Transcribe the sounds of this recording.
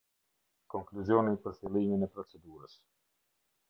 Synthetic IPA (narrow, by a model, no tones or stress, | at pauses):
kɔŋkluzjɔninpəɾfilˠiminɛpɾɔt͡sɛd̪uɾəs